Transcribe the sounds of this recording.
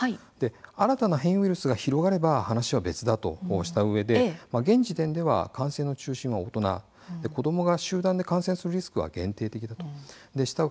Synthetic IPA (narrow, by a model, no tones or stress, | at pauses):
hai | d̪̥e̞aɾat̪anaɦẽ̞ɰ̃ɥʲiɾɯ̟sɨɡaçiɾo̞ɡaɾe̞bahanaɕiβabe̞t͡sɨd̪at̪o̞̰ɕi̥t̪aɯ̟βe̞d̪e̞maɡẽ̞ɲ̟d͡ʑit̪ẽ̞nd̪e̞βa̰kãɰ̃sẽ̞nːo̞t͡ɕɨːɕĩɰ̃βaot̪o̞na̰ | d̪e̞ko̞d̪o̞mo̞ɡaɕɨːd̪ãnd̪e̞kãɰ̃sẽ̞sɨɾɯ̟ɾʲisɨ̥kɯβa̰ɡẽ̞nt̪e̞ːt̪e̞kʲid̪at̪o̞̥d̪e̞ɕi̥t̪a